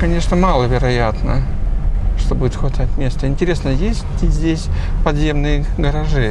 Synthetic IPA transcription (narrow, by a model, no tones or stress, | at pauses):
kɐnʲe̞ʂnəmalˠəvʲɪɾɐjat̪nə | ʂt̪o̞budʲɪt̪xvɐt̪atʲmʲe̞st̪əɪnʲtʲɪɾʲe̞snəjesʲtʲɪzʲdʲesʲ | pɐd̪zʲe̞mnɨjəɡəɾɐʐɨ